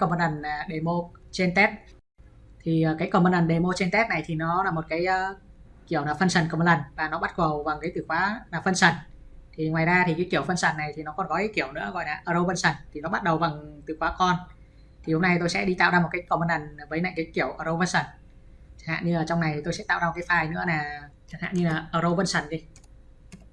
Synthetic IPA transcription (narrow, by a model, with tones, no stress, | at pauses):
kmə˧na˨˩nː˨˩ɗe˨˩mo˧t͡ɕe˧nt̪ɛ˦˥t̚ | t̪ʰi˨˩ʔəː˨˩kaː˨˦jkɔ˧˩mə˧nʔə˨˩nɗe˨˩mo˧t͡ɕe˧nt̪ɛ˦˥t̚na˨˩jt̪ʰi˨˩nɔ˨˦laː˨˩mo˨˩t̚kaː˨˦jʔəː˨˧˦ | ki˧˩əwnaː˨˩fə˧nsə˨˩nkə˧˩mə˧nʔaə˨˩nvaː˨˩nɔ˨˦ɓa˦˥t̚ɣə˨˩wva˨˩ŋkə˨˦jt̪ɨ˨˩kwaː˨˦aː˨˩fə˧nsə˨˩n | t̪ʰi˨˩ŋwaː˨˩jzaː˧t̪ʰi˨˩kaː˨˦jki˧˩əwfə˧nsaː˨˩nːa˨˩jt̪ʰi˨˩nɔ˨˦kɔ˨˩nɣɔ˨˦jki˧˩əwnɨ̰˧˥əɣɔ̰˧˨jlaː˨˩ʔəː˧zə˧wvə˧nsə˨˩nt̪ʰi˨˩nɔ˨˦ɓa˦˥t̚ɗə˨˩wva˨˩ŋt̪ɨ˨˩kwaː˨˦kɔ˧n | t̪ʰi˨˩ho˧mna˧jt̪o˧jsɛ̰˧˥ɗi˧t̪a̰ː˧˨wzaː˧o˨˩t̚kaː˨˦jkə˧˩mə˧nlə˨˩n˩vəː˨˦na̰˧˨ŋkaː˨˦ki˧˩əwʔəː˧˩ɾə˧wvə˧nsə˨˩n | t͡ɕa˧˩ha̰ː˧˨ɲɨ˧laː˨˩t͡ɕɔ˧wŋ͡mna˨˩jt̪ʰi˨˩o˧jsɛ̰˧˥t̪a̰ː˧˨wzaː˧˨˩kːaː˨˦faː˨˩jnɨ̰˧˥ənaː˨˩t͡ɕa˨˩nha̰ː˧˨ɲɨ˧laː˨˩ʔəː˧˩ɾo˧və˧nsə˨˩nzi˧